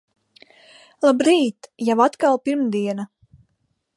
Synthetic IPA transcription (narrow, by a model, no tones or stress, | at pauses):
lˠabɾiːt̪javat̪kalˠpiɾmd̪iɛna